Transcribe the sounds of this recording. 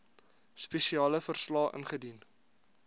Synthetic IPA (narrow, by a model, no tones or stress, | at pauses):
spɛʃiɑːləfərslɑːʔə̰nχədin